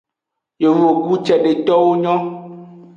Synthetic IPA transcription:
jo˨wo˨ɡu˦t͡ʃɛ˨ɖe˨t̪ɔ˦wo˦ɲɔ̃˦

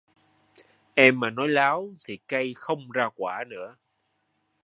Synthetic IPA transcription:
ʔɛ˧mːaː˨˩nɔ˨˦jlaː˨˦wt̪ʰi˨˩ka˧jxə˧wŋ͡mzaː˧kwaː˧˩nɨ̰˧˥ə

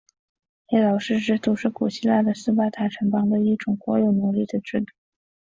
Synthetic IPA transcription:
ɛ˥lɑ˨˩ʊʂɻ̩˥˩ʈ͡ʂɻ̩˥t̪u˥ʂɻ̩˥˩ku˨˩ɕi˥la˥˩d̪ə˩sɹ̩˥pa˥t̪ʰa˧˥ʈ͡ʂʰə˧˥ŋpɑ˥ŋd̪ə˧i˥˩ʈ͡ʂʊ˨˩ŋxwɔ˧˥jo˨˩ʊnu˧˥li˥˩d̪ə˩ʈ͡ʂɻ̩˥˩˧t̪u̥˨˩

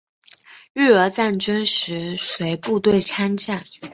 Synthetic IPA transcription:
y˥˩ə˧˥t͡sa˥˩nʈ͡ʂə˥nʂɻ̩˧˥swe˧˥ɪpu˥˧t̪we˥˩ɪt͡sʰa˥nt͡ɕja˥˩n

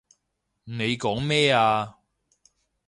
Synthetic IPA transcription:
ne˨˧jkɔː˨˥ŋmɛː˥aː˧

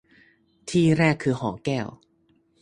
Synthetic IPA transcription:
t̪ʰiː˥˩ɾɛː˥˩kʰːɯː˧hɔː˩˦kɛː˥˩w

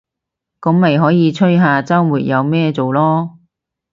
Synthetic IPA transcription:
kʊ˨˥ŋmɐ˨jɦɔː˨˥jiː˨˧t͡sʰɵ˥jɦaː˨t͡sɐ˥wwuː˨˩tjɐ˨˧wmɛː˥t͡so˨wlɔː˥

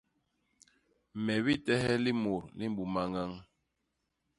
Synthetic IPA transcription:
mɛ˨βi˦tɛ˦hɛ˦li˦mo˨ɾni˦m̩˦bu˨ma˦ŋa˦ŋ

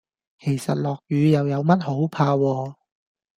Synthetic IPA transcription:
kʰe˨˩jsɐ˨t̚lɔː˨˩k̚jyː˨˧jɐ˨wjɐ˨˧wmɐ˥t̚ho˨˥wpʰaː˧wɔː˧

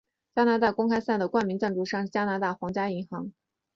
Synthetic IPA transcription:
t͡ɕja˥na˧˥t̪a˥˩kʊ˥ŋkʰa˥ɪsa˥˩nd̪ə˩kwa˥˩nmi˧˥ŋʈ͡ʂa˥˧nʈ͡ʂu˥˧ʂɑ˥˧ŋʂ̩˥˩t͡ɕja˥na˧˥t̪a˥˩xwɑ˧˥ŋt͡ɕja˥i˧˥ŋxɑ˧˥ŋ

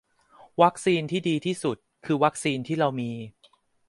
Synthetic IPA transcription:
wa˦˥k̚siː˧nt̪ʰiː˥˩diː˧t̪ʰiː˥˩su˨˩t̪̚kʰɯː˧wa˦˥k̚siː˧nt̪ʰiː˥˩ɾa˧wmiː˧

